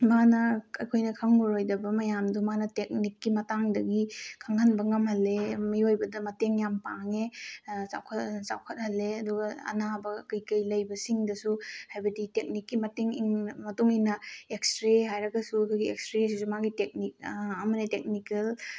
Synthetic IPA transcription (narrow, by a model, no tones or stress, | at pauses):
manɐɐ̰jkʰojnɐkʰɐŋːuɾojdɐbɐmɐjamdumanɐtek̚nikːimɐtaŋdɐɡikʰaŋɐnbɐŋɐmhɐlːemiojbɐdɐmɐteŋjampaŋesa̰wkʰɐtsa̰wkʰɐt̚hɐlːeɐduɡɐɐ̰nabɐkɐjkɐjlɐjbɐsiŋdɐsuhajbɐditek̚nikːimɐteŋiŋmɐtuŋinɐek̚stɾeɦajɾɐɡɐsukʰoɡiek̚stɾes̬isumaɡitek̚nik̚ɐmɐnetek̚nikɐl